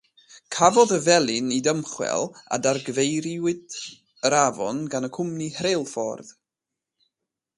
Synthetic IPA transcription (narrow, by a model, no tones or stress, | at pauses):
kʰavɔðəvɛlˠɪnidəmχwɛ̰lˠa̰darɡəvejɾiwɪd | əɾavɔ̰nɡanəkʰʊmnihrelˠfɔ̰rð